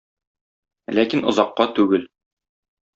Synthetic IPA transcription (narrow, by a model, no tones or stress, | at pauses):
lækinŏzɑqːɑt̪ʉɡɘl